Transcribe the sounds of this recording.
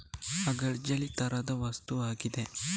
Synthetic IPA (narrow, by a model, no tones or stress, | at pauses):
ɐɡɐɭd͡ʒɐɭit̪ɐɾɐd̪ɐʋɐst̪uaːɡid̪e